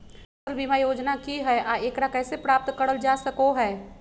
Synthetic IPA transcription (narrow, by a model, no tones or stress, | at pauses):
əlbimajoːd͡ʒnakiɦɛʔaːeːkɾakɛːsepɾaːp̚t̪kəɽəld͡ʒaːsəkoɦɛː